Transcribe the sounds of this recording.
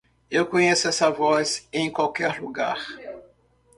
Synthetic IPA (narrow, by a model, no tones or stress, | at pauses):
ewkõɲesʊɛsɐvɔzẽj̃kwawkɛɾluɡaɾ